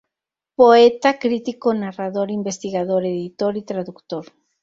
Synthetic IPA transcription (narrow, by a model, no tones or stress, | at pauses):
poet̪akɾit̪ikonaraðoɾimbest̪iɣað̞oɾeðit̪oɾit̪ɾaðukt̪oɾ